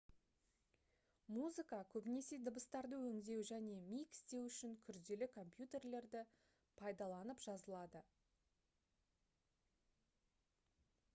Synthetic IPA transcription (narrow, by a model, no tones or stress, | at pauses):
muzɨkɑkʲʰɵbɪne̞se̞d̪əbəst̪ɑɾd̪əwɵŋd̪e̞wʒæne̞mijkɪ̥st̪e̞wʏʃɪŋkʲʰʏɾd̪e̞lɪkʰo̞mpjut̪e̞rle̞ɾd̪ɪ | pʰɑjd̪ɑlˠɑnəpʒ̥ɑzəlˠɑd̪ə